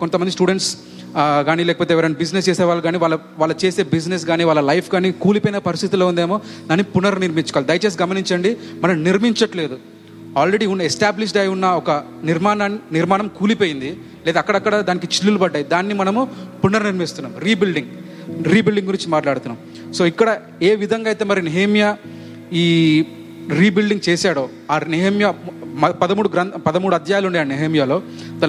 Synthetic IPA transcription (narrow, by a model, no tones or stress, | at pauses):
ko̞nt̪ɐmɐnd̪isʈuːɽeɳʈs | ɡaːniːlɛːkɐpoːt̪̬eːʋɐɾɐnibid͡ʒnest͡ʃeːsɛːʋaːɭːɐɡaːniːʋaːɭːɐ | ʋaːlɭːɐt͡ʃe̞ːse̞ːbid͡ʒnes̬ɡaːniːʋaːɭːlɐlɐjpʰɡaːniːkuːlipoːjinɐpɐɾist̪ʰit̪iloːund̪eːmo̞ːd̪aːnːipunɐɾniɾmit͡ʃu̥koaːlid̪ɐjt͡ʃes̬ɡɐmɐniɲt͡ʃɐɳɖimɐnɐmniɾmiɲt͡ʃɐʈle̞ːd̪u | aːlɾe̞ɖiːunːɐɛsʈaːbliʂ̬ɖɐjunːɐɔkɐ | niɾmaːnɐnniɾmaːnɐmkuːlipoːjind̪i | leːd̪ɐːkːɐɽɐkːɐɽɐd̪aːnik̬it͡ʃilːulubɐɖːaːjid̪aːnːimɐnɐmupunːɐɾniɾmist̪unːa̰ːmɾiːbilɖiŋɡ | ɾiːbilɖiŋɡuɾiɲt͡ʃimaːʈlaːɽut̪unːaːm | so̞ːikːɐɽɐ | e̞ːʋid̪ʱɐŋɡaːjt̪e̞ːmɐɾineɦemja | iː | ɾiːbilɖiŋɡt͡ʃeːsaːɽoː | aːnɛɦɐmjɐɐpɐd̪ɐmuːɽuɡɾɐnpɐd̪ɐmuːɽuɐd̪ʱjaːjaluɳɖajaːnɛɦɐmjaːlo̞ː | d̪ɐ